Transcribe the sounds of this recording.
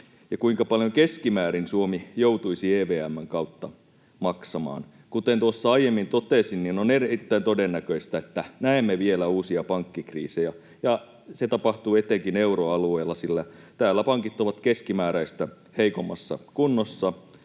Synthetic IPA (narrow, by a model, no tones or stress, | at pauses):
jɑkuiŋkɑpɑljoŋkeskimæːɾinsuomijout̪uisieːʋeːæmːæŋkɑut̪ːɑ | mɑksɑmɑ̰ːn | kut̪ent̪uosːɑɑijemːint̪ot̪eˑsinninoneriit̪ːæint̪odenːækøist̪æet̪ːænæemːeʋielæuːsiɑpɑŋkːikrḭːsejæ | jɑ | set̪ɑpɑht̪uːet̪ːeŋkineuroɑlueːlːɑsilːæ | t̪æːlːæpɑŋkit̪ːˑoʋɑt̪keskimæːɾæist̪æ | heikomːˑɑsːɑ̰kunːosːɑ